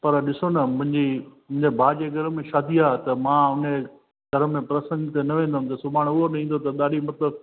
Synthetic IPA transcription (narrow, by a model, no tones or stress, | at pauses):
pɐɾɗɪsonɐmʊ̃ɦɪ̃ɲd͡ʑimʊ̃ɦɪ̃ɲd͡ʑebʱaːd͡ʑeɡʱɐɾəmẽʃaːd̪ʱiaːɦet̪ɐmãːʊne | ɡʱɐɾə̆mẽpɾɐsə̃ŋɡt̪enɐʋẽːn̆d̪amt̪ɐsʊbaːɽ̃ʊɦonɐĩːnd̪ot̪ɐɗ̪aːɗimɐt̪ləb̚